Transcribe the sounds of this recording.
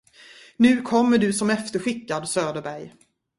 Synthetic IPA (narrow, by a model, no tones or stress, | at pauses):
nʉ̟ːkʰɔmːəɖɵsɔmɛft̪əɧɪkːad̪søːd̪əɾbæɾj